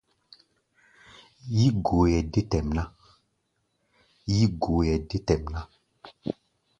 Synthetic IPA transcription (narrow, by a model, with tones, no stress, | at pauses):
ji˦ɡo˨˦jɛ˨de˦tɛ˨mna˦ | ji˦ɡo˨˦jɛ˨de˦tɛ˨mna˦